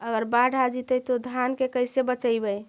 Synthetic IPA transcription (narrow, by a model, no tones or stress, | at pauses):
əɡəɾbaɖʱad͡ʒit̪ət̪od̪ʱankekəjsebət͡ʃəjbəj